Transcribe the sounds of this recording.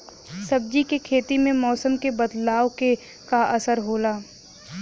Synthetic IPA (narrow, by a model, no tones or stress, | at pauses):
sɐb̚d͡ʒikekʰeːt̪imẽmɔːsəmkebɐd̪laːwke | kaʔɐsəɾɦoːlaː